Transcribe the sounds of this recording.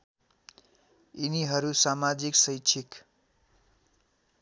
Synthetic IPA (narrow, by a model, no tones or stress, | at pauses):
iniɦʌɾusamad͡ziksʌjt͡ʃʰik